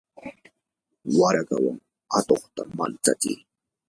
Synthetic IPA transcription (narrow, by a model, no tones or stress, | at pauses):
waɾaɢawaŋ | at̪oχt̪amant͡sat͡sɪj